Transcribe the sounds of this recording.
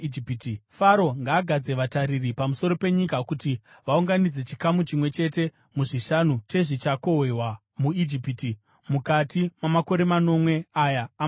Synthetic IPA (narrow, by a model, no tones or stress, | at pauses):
iptifaɾo̞ŋɡaːɡʱad͡ze̞ʋatariripamuso̞ɾo̞pe̞ɲikakuti | ʋauŋɡanid͡ze̞t͡ʃikamut͡ʃimwe̞t͡ʃe̞te̞ | muʐiʃanute̞ʐit͡ʃako̞wewa | muid͡ʒipiti | mukatimamako̞ɾe̞mano̞mwe̞ajaː